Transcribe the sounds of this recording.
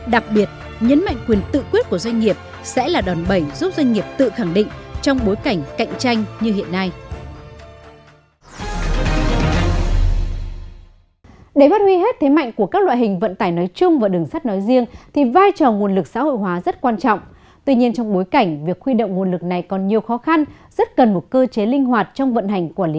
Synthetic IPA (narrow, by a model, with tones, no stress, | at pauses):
ɗa˨˩k̚ɓi˨˩ət̚ | ɲə˨˦nma̰˧˨jŋ̟kwi˨˩ənkt̪ɨ̰˧˨kwi˦˥t̚ku˧˩əzwa˧ŋ̟ŋi˨˩əp̚ | sɛ̰˧˥laː˨˩ɗɔ˨˩nɓə˧˩jzu˦˥p̚zwa˧ŋ̟ŋi˨˩əp̚t̪ɨ̰˧˨xa˧˩ŋɗḭ̈˧˨ŋ̟t͡ɕɔ˧wŋ͡mɓo˨˦jka˧˩jŋ̟ka̰˧˨jŋ̟t͡ɕa˧jŋ̟ɲɨ˧hḭ˧˨ənːa˧j | ɗe˧˩maː˦˥t̚wi˧ɦe˦˥t̚t̪ʰe˨˦ma̰˧˨jŋ̟ku˧˩əkaː˦˥k̚lwa̰ː˧˨jhï˨˩ŋ̟və̰˧˨nt̪aː˧˩jnɔ˨˦jt͡ɕʊ˧ŋ͡mvaː˨˩ɗɨ˨˩əŋsaː˦˥t̚nɔ˨˦jzi˧əŋt̪ʰi˨˩vaː˧jt͡ɕɔ˨˩ŋu˨˩ənlɨ˨˩k̚sa̰ː˧˥ho̰˧˨jɦwaː˨˦zə˦˥t̚kwaː˧nt͡ɕɔ̰˧˨wŋ͡m | t̪wi˧ɲi˧ənt͡ɕɔ˧wŋ͡mɓo˨˦jka˧˩jŋ̟vi˨˩ək̚xwi˧ɗo̰˧˨wŋ͡mŋu˨˩ənlɨ˨˩k̚na˨˩jkɔ˨˩nɲi˨˩əwxɔ˨˦xa˧n | z̥ə˦˥t̚kə˨˩nmo˨˩t̚kəː˧t͡ɕe˨˦lï˧ŋ̟ɦwaː˨˩t̚t͡ɕɔ˧wŋ͡mvə̰˧˨nɦa˨˩jŋ̟ku˧˩əli˨˦